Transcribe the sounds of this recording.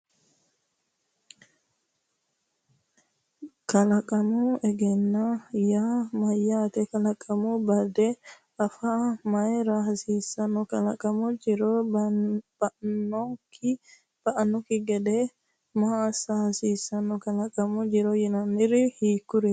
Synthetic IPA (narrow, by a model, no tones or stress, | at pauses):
kɐlɐkʼɐmuɛɡɛnːajaːmɐjːaːt̪ɛkɐlɐkʼɐmubɐd̪ɛ | ɐfaːmɐjɾahsiːsɐnːɔkɐlɐkʼɐmud͡ʒɪɾo | bnɔŋki | b̥ɐʔɐnːɔkɪɡɛd̪ɛ | masasiːsɐnːɔkɐlɐkʼɐmud͡ʒɪɾojɪnɐnːɪɾɪhiːkːʊɾɪ